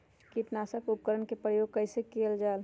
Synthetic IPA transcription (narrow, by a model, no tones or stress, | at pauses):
kiʈnaːsəkup̚kəɾənkepɾəjoːɡ̚kəɪsekeld͡ʒaːl